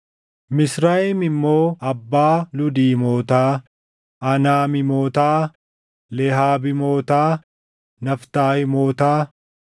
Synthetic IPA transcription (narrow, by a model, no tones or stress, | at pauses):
mɪsɾaːɪmɪmːo̞ːɐbːaːlʊd̪iːmoːt̪aː | ʔɐnaːmɪmoːt̪aː | lɛɦaːbɪmoːt̪aː | nɐft̪aːhɪmoːt̪aː